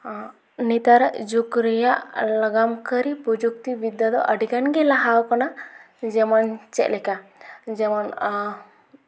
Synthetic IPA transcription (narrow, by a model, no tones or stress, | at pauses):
nit̪aɾd͡ʒukɾijaʔləɡamkəɾipud͡ʒuk̚t̪ibid̪jad̪ɔʔəɖiɡanɡɛlaɦawkɔna | d͡ʒɛmɔnt͡ʃɛ̰ʔlɛkad͡ʒɛmɔn